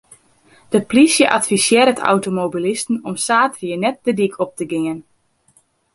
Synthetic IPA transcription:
d̥əplisjəʔatfisjɪːɾətʰa̰wtomobilistn̩ɔmsaːtrjənɛt̚dədikʰɔp̚təɡɪən

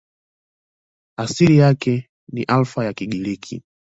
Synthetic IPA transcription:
asiɾijakɛ | niʔalfajakiɡilikʰḭ

